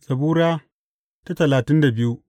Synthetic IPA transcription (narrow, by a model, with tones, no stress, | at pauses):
sɐ˨buː˦ɾaː˦ | ta˦tɐ˨laː˨tɪ˦nda˨bɪ˦ju˦